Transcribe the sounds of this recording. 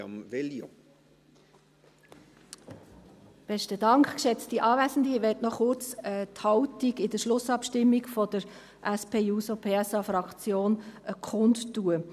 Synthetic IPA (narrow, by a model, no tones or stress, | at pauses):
ɑ̰mveljo̰ | b̥ɛʃtədɑŋkχkʃɛt͡stiʔɑːvæːsən̩diʋɛtnɔχʊɾt͡səthɑʊtiɡɪdəʃlʊsɑpʃtɪmːiɡfɔd̥əɾ | ʔæspʰeːuːsopʰeːɛsɑfɾɑkt͡sjoːnʔəkʰʊndtːuːə